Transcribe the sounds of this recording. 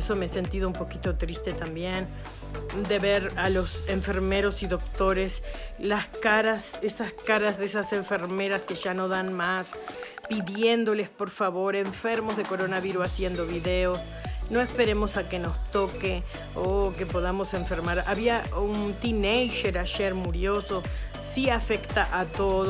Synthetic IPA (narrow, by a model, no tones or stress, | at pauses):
so̞meese̞nt̪ið̞oumpo̞kit̪o̞t̪ɾist̪e̞t̪ambjen | d̪e̞βeɾalo̞seɱfe̞ɾme̞ɾo̞siðo̞k̚t̪o̞ɾeslaskaɾasesaskaɾazðesase̞ɱfe̞ɾme̞ɾaske̞ʒano̞ðanmaspiðje̞nd̪o̞lespo̞ɾfaβo̞ɾe̞ɱfe̞ɾmozðeko̞ɾonaβiɾusasje̞nd̪oβiðeos | no̞espe̞ɾe̞mo̞sake̞no̞st̪o̞ke | okepo̞ðamo̞se̞ɱfe̞ɾmaɾa̰βiaunt̪inejʃeɾaʒeɾmuɾjo̞so | siafekt̪aʔat̪oð